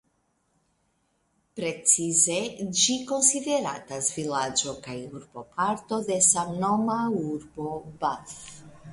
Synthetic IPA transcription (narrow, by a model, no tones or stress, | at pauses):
pɾe̞t͡size̞d͡ʒiko̞nsid̪e̞ɾa̰t̪asvilad͡ʒo̞kajuɾbo̞pʰaɾt̪o̞d̪e̞samnomauɾbo̞baf